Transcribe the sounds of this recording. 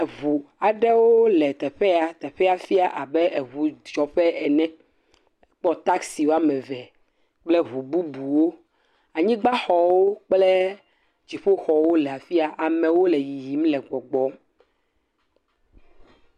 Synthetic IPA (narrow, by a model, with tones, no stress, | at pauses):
βu˨a˨ɖe˦wo˦lɛ˨t̪ɛ˨ɸɛ˦a˨t̪ɛ˨ɸɛ˦a˨fi˦a˨ʔa˨bɛ˦ʔe˨βu˨d͡ʒɔ˨ɸɛ˦ʔɛ˨nɛ̃˦˨ | k͡pɔ˦t̪a˦ksi˨wo˦a˦mɛ̃˨vɛ˨ | k͡ple˦βu˨bu˦bu˨wo˦ | a˨ɲĩ˦ɡ͡ba˦xɔ˨wo˦k͡ple˦ | d͡ʑi˨ɸo˦xɔ˨wo˦lɛ˨a˨fi˦a˨ʔa˨mɛ̃˨wo˦lɛ˨ji˨ji˨m˦lɛ˨ɡ͡bɔ˨ɡ͡bɔ˨˦